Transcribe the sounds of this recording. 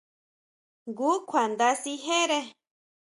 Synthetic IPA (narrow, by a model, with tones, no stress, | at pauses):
ɡu˨˦kʷʰa˨nd̪a˧si˧ɦe˦ɾe˦